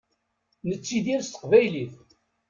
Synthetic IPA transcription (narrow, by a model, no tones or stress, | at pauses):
nət͡sːiðiɾst̪ə̥qvæjliθ